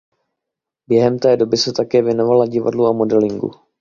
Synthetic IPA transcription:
bjɛɦɛmt̪ɛːdo̞bɪsɛt̪akɛːvjɛno̞valaɟɪva̰dluamo̞dɛlɪŋɡṵ

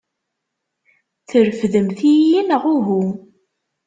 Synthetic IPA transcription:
θəɾfðəmθijinəʁuɦu

